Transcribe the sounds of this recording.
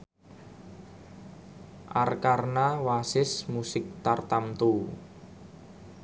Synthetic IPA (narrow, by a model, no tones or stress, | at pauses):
ʔarkarnawasɪsmusɪk̚t̪art̪amt̪u